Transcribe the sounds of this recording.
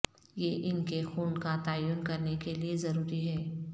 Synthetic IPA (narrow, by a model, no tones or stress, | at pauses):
jeːʔɪnkexuːnkat̪aːjuːnkɐɾnekeliezɐɾuːɾiɦɛː